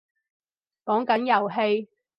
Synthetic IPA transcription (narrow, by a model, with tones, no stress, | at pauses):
kɔː˨˥ŋkɐ˨˥njɐ˨wɦe˧j